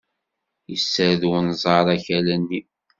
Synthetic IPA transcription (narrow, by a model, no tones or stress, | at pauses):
jəsːəɾðunzˤɑɾˤæçælænːi